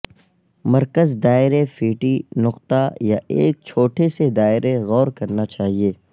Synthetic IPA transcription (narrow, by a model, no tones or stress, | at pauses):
mɐɾkəzd̪aːɪɾefiːʈinʊqt̪ajaʔḛːk̚t͡ʃʰoːʈʰesed̪aːɪɾeɣɔːɾkɐɾnat͡ʃaːɦieː